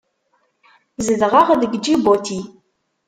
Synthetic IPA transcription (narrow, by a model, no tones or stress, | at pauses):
zəðʁɑʁðɡd͡ʒibot̪ʰi